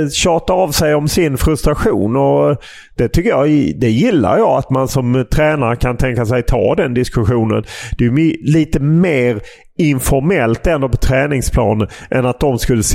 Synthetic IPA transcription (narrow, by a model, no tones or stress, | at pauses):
ɕɑːʈaavsɛjɔmsɪnfɾɵst̪ɾaɧuːnɔ | d̪̥ɛt̪ʰʏkːəjɑd̪ɛjɪlːa̰ɾjɑːat̪mansɔmt̪ʰɾɛːnaɾəkʰant̪ʰɛŋkas̬ɛjt̪ʰɑ̰ːd̪ɛnd̪ɪskɵɧuːnə̰nd̪̥ɛjɪmliːt̪əmeːɾ | ɪnfɔɾmɛlt̪ɛnd̪oːpʰɔt̪ʰɾɛːnɪŋspʰlɑ̰ːnənʔɛnat̪̚d̪ɔmskɵlːəs